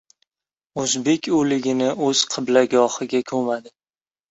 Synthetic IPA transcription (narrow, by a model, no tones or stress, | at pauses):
ɵzbekʲolɪɡʲɪnɪʔɵz̥qʰɨblaɡɒhɪɡʲakʲʰɵmad̪ɪ